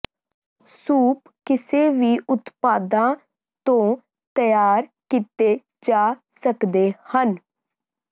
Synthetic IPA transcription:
suːp | kɪseːʋiːʔʊt̪paːd̪ãː | t̪õː | t̪əjaːɾ | kiːt̪eː | d͡ʒaː | səkd̪eːhən

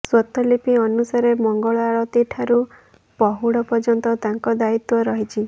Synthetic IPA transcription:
swɔt̪ɔlipiɔnusaɾemɔŋɡɔɭɔaɭɔt̪iʈʰaɾu | pɔɦuɽɔpɔd͡ʒɔnt̪ɔt̪aŋkɔd̪ait̪wɔɾɔɦit͡ʃʰi

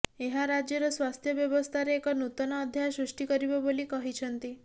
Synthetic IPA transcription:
eɦaɾad͡ʒjɔɾɔswast̪ʰjɔbjɔbɔst̪ʰaɾeːkɔnut̪ɔnɔːd̪ʱjasɾusʈikɔɾibɔbolikɔɦit͡ʃʰɔnt̪i

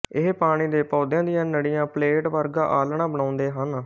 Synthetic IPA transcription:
ɪɦpaːɽ̃iːd̪eːpɔːd̪jãːd̪ɪjãːnəɽijãːpleːʈʋəɾɡaːʔaːlɳãːbəɽ̃ãːʊnd̪eːɦən

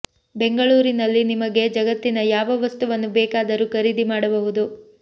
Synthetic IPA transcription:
be̞ŋɡɐɭuːɾinɐlːinimɐɡe̞d͡ʒɐɡɐt̪ːinɐjaːʋɐʋɐst̪uʋɐnːubɛːkaːd̪ɐɾukɐɾid̪imaːɽɐbɐɦud̪u

